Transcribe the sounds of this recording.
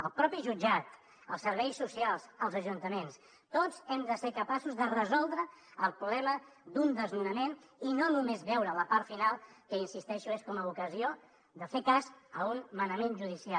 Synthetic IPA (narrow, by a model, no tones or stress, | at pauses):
əlˠpɾɔpiʒud͡ʒat̪ | əlˠsəɾβɛjsːusialˠsəlˠzəʒunt̪əmens | t̪od͡zɛmd̪əseɾkəpasuzðərəzɔlˠd̪ɾəəlˠpɾulɛmə | d̪und̪əznunəmen | inonumezβɛwɾələpaɾt̪finalˠkəinsist̪ɛʃueʃkɔməukəzio | d̪əfekazəunmənəmenʒuðisia